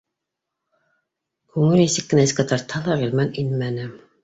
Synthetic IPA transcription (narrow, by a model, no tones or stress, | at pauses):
kʉŋɘlnisɘkːɘ̆næsʲkɑt̪ɑɾt̪hɑlˠɑʁilmæninmænɘ